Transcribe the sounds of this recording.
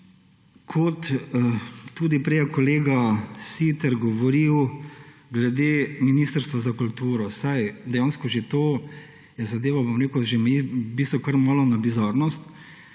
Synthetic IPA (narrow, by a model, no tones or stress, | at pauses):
kʰɔt̪ | t̪uːd̪ipɾɛjakɔleːɡasit̪əɾɡɔʋɔɾiw | ɡlɛd̪eːminiːst̪əɾst̪ʋazakult̪uːɾɔsajd̪ɛjanskɔʒet̪o | jɛzad̪eːʋabomɾeːkʊʒemibist̪ʋɔkɐɾmɔːlɔnabizaɾnɔst̪